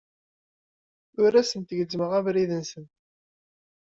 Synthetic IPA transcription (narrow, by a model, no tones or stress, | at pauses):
ʊɾæsənt̪əʝəd͡zːməʁævɾiðənsən